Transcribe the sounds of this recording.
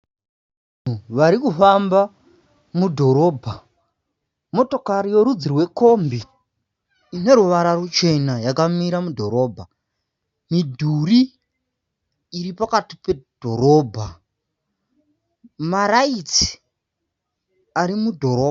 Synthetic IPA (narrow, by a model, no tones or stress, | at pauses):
a | nuʋaɾikufamba | mudʱo̞ɾo̞ːbʱa | mo̞to̞kaɾijo̞ɾud͡zirwe̞ko̞mbiː | ne̞ɾuʋaɾarut͡ʃe̞najakamiɾamudʱo̞ɾo̞ːbʱa | midʱuri | ɾipakati̥pe̞d̥ʱo̞ɾo̞ːbʱa | maɾait͡si̥ | aɾimudʱo̞ɾoːa